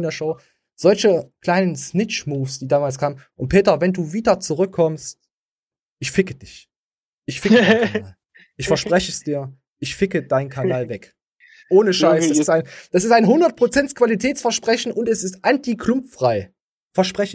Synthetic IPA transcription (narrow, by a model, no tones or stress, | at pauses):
ndeːɐʃoʊ | z̥ɔlçəkl̥aɪnənsnɪt͡ʃmuːfsd̥iːdaːmaːlskʰaːmənʔʊntpʰeːtɐvɛnduːviːdɐt͡suʁʏkʰːɔmst | ʔɪçfɪkəd̥ɪç | ʔɪçfɪkaaːl | ʔɪçfɛɐʃpʁ̥ɛçəsd̥iːɐ | ʔɪçfɪkədaɪnkʰannaːlvɛk | ʔoːnəʃaɪsd̥asstaɪnd̥asɪstaɪnɦʊndɐt̚pʁ̥ot͡sɛntskv̥alitʰɛːt͡sfɛɐʃpʁ̥ɛçn̩ʔʊntɛsɪstʔantikʰlʊmffʁ̥aɪ | fɛɐʃpʁ̥ɛç